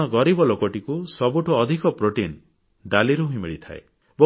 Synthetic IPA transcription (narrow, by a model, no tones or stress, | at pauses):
ɔɡɔɾibɔlokɔʈikusɔbuʈʰɔːd̪ʱikɔpɾoʈin | ɖaliɾuɦũĩmiɭit̪ʰa̰e | bo